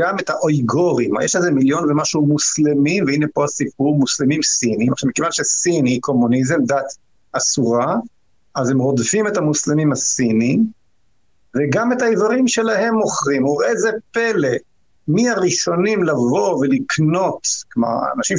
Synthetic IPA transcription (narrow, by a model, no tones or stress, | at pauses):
ɡame̞thaʔojɡoʁimjeʃlezemiljo̞nvemaʃumuslemimveinepo̞asip̚uʁmuslimimsinimaχʃamikevanʃesiniikʰo̞munizemd̪at̪ | asuʁa | ʔaze̞mʁo̞dfime̞thamuslimimhasini | veɡame̞taivaʁimʃe̞lahe̞mo̞χʁimuʁezepe̞le̞ | miaʁiʃo̞nimlavo̞velikno̞t̪kma̰a̰naʃim